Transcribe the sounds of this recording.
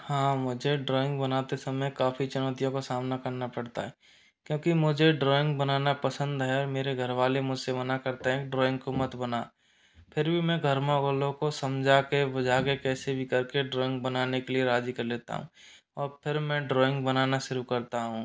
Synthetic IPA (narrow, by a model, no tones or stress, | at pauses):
hãːmʊd͡ʒʱeɖɾɔːɪ̃ŋɡ̚bənaːt̪esɐməjkaːfʰit͡ʃʊnɔːt̪ijõkosaːmnakɐɾnapɐɽt̪a̰ɦɛː | kjõːkimʊd͡ʒʱeɖɾɔːɪ̃ŋɡbɐnaːnapɐsə̃nd̪ɦɛɔːɾmeːɾeɡʱəɾʋaːlemʊd͡ʒʱsemɐnakɐɾt̪eɦɛ̃kiɖɾɔːɪ̃ŋɡkomɐt̪bɐnaː | pʰɪɾbʱimɛ̃ɡʱəɾmãɡəlõkosɐ̃md͡ʒʱakebɐd͡ʒʱaːkekɛːsebʱikɐɾkeɖɾɔːɪ̃ŋɡ̚bɐnaːnekelieɾaːd͡ʒikɐɾleːt̪a̰ɦṵ̃ː | ɔːɾpʰɪɾmɛ̃ɖɾɔːɪ̃ŋɡbənaːnaʃʊɾukɐɾt̪aɦũ